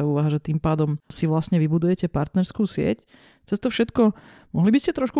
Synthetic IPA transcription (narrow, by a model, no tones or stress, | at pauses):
auːʋaɦaʒɛt̪impaːd̪ɔmsiʋlasɲɛʋibud̪ujɛcɛpaɾt̪nɛɾskuːsɪɛ̰c | t͡sɛst̪ɔfʃɛt̪kɔ | mɔɦlibiscɛt̪ɾɔʃku